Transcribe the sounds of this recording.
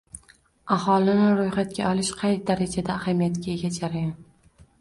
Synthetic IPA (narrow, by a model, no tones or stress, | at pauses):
ahɒlɪnɪɾojχat̪kʲaɒlɪʃqʰɑjd̪aɾad͡ʒad̪aːhamijat̪kʲaeɡʲad͡ʒaɾajan